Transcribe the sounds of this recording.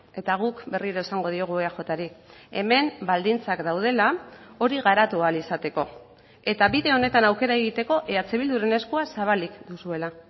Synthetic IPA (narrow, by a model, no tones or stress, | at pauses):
e̞t̪aɣ̞ukbe̞riɾoesaŋɡo̞ð̞io̞ɣ̞ueaxo̞t̪aɾie̞̰me̞mbald̪int͡sakd̪awð̞e̞lao̞ɾiɣaɾat̪ualisat̪e̞ko̞ | e̞t̪aβiðe̞o̞ne̞t̪anawke̞ɾae̞ɣit̪e̞ko̞ʔe̞at͡seβild̪uɾe̞ne̞skuasaβ̞alikd̪usue̞la